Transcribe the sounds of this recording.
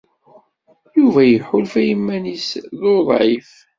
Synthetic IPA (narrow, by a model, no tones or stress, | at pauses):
juvæjəħʊlfæjəmːænisðoðˤʕif